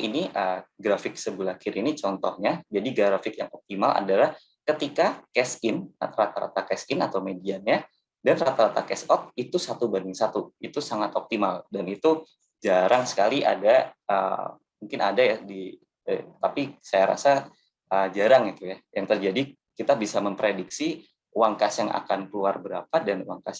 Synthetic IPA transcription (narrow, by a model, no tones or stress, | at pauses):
iniʔəɡɾafɪk̚səbulakɪɾʔinit͡ʃɔnt̪ɔhɲad͡ʒadiɡɾaɾafɪkjaŋɔp̚t̪imalʔa̰dalah | kət̪ikakɛsɪna̰t̪aɾat̪aɾa̰t̪akɛsɪnat̪awmedianɲa | danrat̪aɾat̪akɛsɔt̪̚it̪usat̪ubandɪŋsat̪uit̪usaŋat̪ɔp̚t̪imaldanit̪u | d͡ʒaɾʔaŋsə̥kaliʔa̰daə̰ | muŋkɪna̰dajadi | ət̪apisajaɾa̰sa | ʔəd͡ʒaɾaŋit̪ujajaŋt̪ərd͡ʒadi | kit̪abisaməmpɾediksi | uwaŋkasjaŋʔa̰ka̰nkluarbəɾapadanwaŋkas